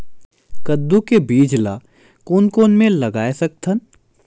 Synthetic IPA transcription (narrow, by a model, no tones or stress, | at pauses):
kɐd̪ːukebiːd͡ʒla̰ | kuːnkoːnmẽlɐɡaːesɐk̚t̪ʰən